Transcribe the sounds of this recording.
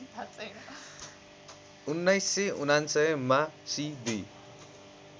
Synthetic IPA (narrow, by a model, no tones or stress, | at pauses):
unːʌjsːeunansʌmasid̪i